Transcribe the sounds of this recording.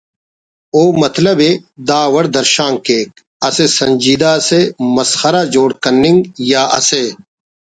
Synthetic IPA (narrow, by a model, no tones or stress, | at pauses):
oːmɐt̪lɐbed̪aːwɐɽd̪ɐɾʃaːŋkeːk̚ | ɐsesɐɲʲd͡ʑiːd̪aːsemɐsxɐɾaːd͡ʑoːɽkɐnːiŋɡjaːɐ̰se